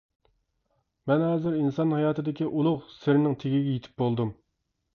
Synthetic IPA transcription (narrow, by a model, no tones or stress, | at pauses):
mɛnɦɑːzɪɾinsɑnhɑjɑːt̪ʰɨd̪ɪkʲiʔulˠʊχsɪɾɪnɪŋt̪ʰeɡʲiɡʲɛjet̪ʰɪ̥p̚bolˠd̪um